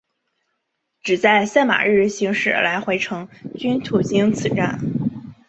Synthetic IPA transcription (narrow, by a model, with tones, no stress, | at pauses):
ʈ͡ʂɻ̩˨˩t͡sa˥˩˧ɪsa˥˩nma̰˨˩ɻɻ̩˥˩ɕi˧˥ŋʂɻ̩˨˩la˧˥ɪxwe˧˥ɪʈ͡ʂʰɤ˧˥ŋt͡ɕy˥nt̪ʰu˨˩t͡ɕi˥ŋt͡sʰɹ̩˨˩ʈ͡ʂa˥˩n